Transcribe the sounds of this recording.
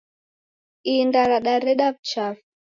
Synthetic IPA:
indaɾaɗaɾɛɗavt͡ʃaf

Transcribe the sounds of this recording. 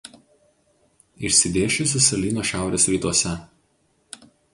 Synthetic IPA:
ɪʃʲsʲɪd̪ʲeːʃʲɪs̬ʊsʲɐlʲiːnoːʃʲæˑʊɾʲeːsɾʲiːt̪uɔsʲɛ

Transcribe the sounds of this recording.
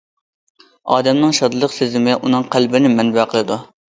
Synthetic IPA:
ɑːd̪ɛmnɨŋʃɑd̪ɨlˠəqsezɪmɪʔunɨŋqʰælbɪnɪmɛnbɛqʰəlˠɨd̪u

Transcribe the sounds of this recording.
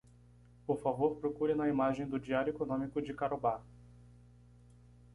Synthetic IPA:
poɾfavoɾpɾokuɾɐnɐimaʒẽj̃d̪ʊd͡ʒiaɾjʊekonõmikʊd͡ʒɪkaɾoba

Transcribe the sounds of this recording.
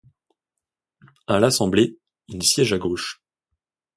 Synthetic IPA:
alasɑ̃ble | ilsjɛʒaɡoʃ

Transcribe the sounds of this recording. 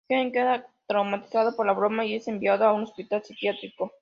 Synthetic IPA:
keŋkeðat̪ɾawmat̪i̥saðopoɾlaβɾo̞maie̞se̞mbiaðoauno̞spit̪alsikjat̪ɾiko̞

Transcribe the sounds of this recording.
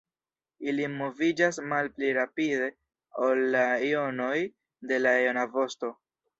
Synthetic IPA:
ilimo̞vid͡ʒasmalpliɾapide̞ | olːaio̞no̞j | de̞laeonavo̞sto̞

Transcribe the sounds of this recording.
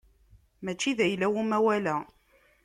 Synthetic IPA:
mæt͡ʃːiðæjlæwumæwælæ

